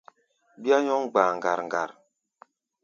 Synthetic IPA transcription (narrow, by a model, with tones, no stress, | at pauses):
bi˦a˦ɲɔ˦ŋɡ͡baː˨ŋɡa˨ɾŋ˨ɡa̰˨ɾ